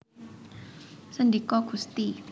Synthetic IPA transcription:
səndikɔɡ̥ṳst̪i

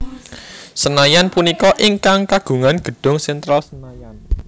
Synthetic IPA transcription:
sənajanpunikɔʔiŋkaŋkaɡ̥ṳŋanɡ̥ə̤ɖ̥ʊ̤ŋsɛnt̪ɾalsənajan

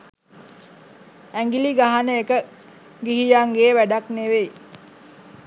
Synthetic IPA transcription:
æŋɡiliɡaɦanəekə | ɡiɦijaŋɡeːʋæɖakneʋej

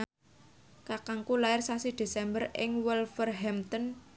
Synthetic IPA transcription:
kakaŋkulaɪrsasid̪̥e̤sɛmbərɪ̰ŋwɛlfərɦɛmt̪ɔn

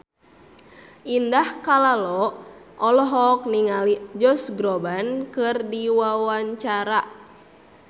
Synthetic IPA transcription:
ʔindahkalalɔʔɔlɔɦɔk̚niŋalid͡ʒɔsɡɾɔbankɨrdiwawaɲt͡ʃaɾa

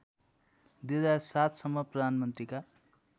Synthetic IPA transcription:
d̪ed̪asat̪ʰsʌmːʌprʌd̪ʱanmʌnt̪rika

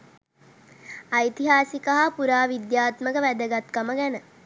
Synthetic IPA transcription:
ɐjt̪iɦaːsikəɦapuɾaːʋid̪jaːt̪məkəʋæd̪əɡat̪kəməɡænə

